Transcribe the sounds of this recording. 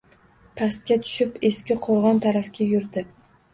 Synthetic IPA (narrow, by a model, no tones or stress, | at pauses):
pʰast̪̚kʲat̪ʰʊ̥ʃɪpeskʲɪqʰoɾʁɒnt̪ʰaɾafkʲajʊɾd̪ɪ